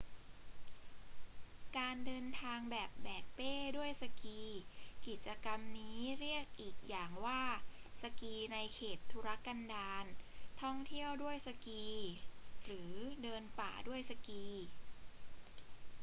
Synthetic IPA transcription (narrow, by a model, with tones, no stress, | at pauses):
kaː˧ndɤː˧nt̪ʰaː˧ŋbɛː˨˩p̚bɛː˨˩k̚peː˥˩du˥˩əjsa˧kiː˧ki˨˩t̪̚t͡ɕa˧ka˧mniː˦˥ɾi˥˩ək̚ʔiː˨˩k̚jaː˨˩ŋwaː˥˩sa˧kiː˧na˧jkʰeː˨˩t̪ʰːu˦˥ɾa˦˥ka˧ndaː˧nt̪ʰɔ˥˩ŋt̪ʰi˥˩əwdu˥˩əjsa˧kiː˧ɾɯː˩˦dɤː˧npa̰ː˨˩du˥˩əjsa˧kiː˧